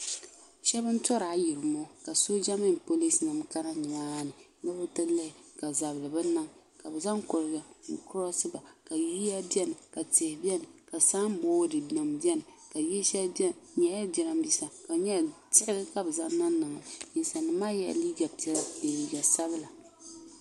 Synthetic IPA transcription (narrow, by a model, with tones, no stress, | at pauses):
ʃɛ˦bɨ˦n˦tɔ˦ɾa˨˦ji˨ɾɨ˨mɔ˦ka˨so˦d͡ʒa˦mɪ˦ŋpo˦li˦snɨ˨mka˦na˦ɲi˨maː˦nɨ˨˦na˦bɨ˦tɨ˦lɨ˦hɪ˨ka˨za˨blɨ˨bɨ˦na˦ŋ | ka˨bɨ˨za˦ŋkʊ˨lɡa˨ŋ̩˨kʊ˦ɾɔ˦sɨ˦ba˨ka˨ji˦a˦bjɛ˦nɨ˨ka˨tɪ˨hɪ˨bi˦ɛ˦nɨ˨ka˨saː˦m˦bɔ˦dɨ˨na˨mbi˦ɛ˦nɨ˨ka˨jɛ˦ʃɛ˦ɲɛ˨˦a˦bɛ˨ɾa˦m˦bi˦sa˨ka˨ɲɛ˦tɪ˦hɪ˦ɡɨ˦ka˨bɨ˨zaː˦a˦nɨ˨ŋa˨ɲi˨n˨sa˨nɨ˨maː˦jɛ̰˨˦liː˦ɡa˨pe˨li˨ɡa˨sa˦bɨ˦la˨